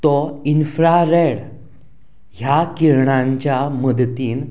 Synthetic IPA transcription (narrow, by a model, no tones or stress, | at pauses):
t̪ɔinfɾaɾeɽ | ɦjakiɾɳãɲt͡ɕjaməd̪t̪iːn